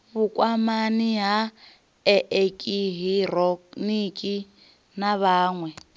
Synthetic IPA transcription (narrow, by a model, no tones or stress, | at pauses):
βukʼwamaniɦa | ɛʔekʼiɦirɔnikʼi | naβaːŋwɛ